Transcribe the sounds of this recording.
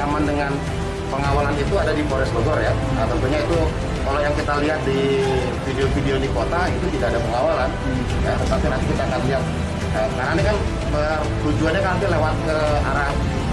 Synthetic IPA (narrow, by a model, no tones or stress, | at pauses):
amandəŋan | pəŋawalanit̪uadadifoɾɛsloɡɔrja | ət̪ənt̪uɲait̪u | kalajaŋkit̪aliɦat̪̚di | fideofideonikot̪aɡit̪ut̪idaːdapəŋawalan | jat̪ət̪apinant̪ikit̪aːkanliɦat̪̚ | ʔəkaɾnanikan | pə | t̪ud͡ʒuanɲakaat̪ilewat̪̚kəa̰ɾah